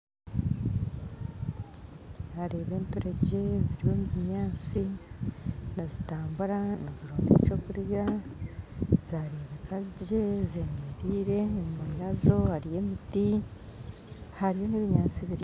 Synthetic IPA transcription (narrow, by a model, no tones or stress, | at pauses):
zaɾe̞ːβe̞ːntoɾeɟe̞ziɾiβo̞muβiɲaːt͡si | nazitaːmbuɾanaziɾoːnḛt͡ʃokuɾja | z̥aɾeːβekaɟe̞zeɲeɾiːɾe̞muiɾazo̞haɾije̞miti | haɾijo̞niβiɲaːt͡siβiɾi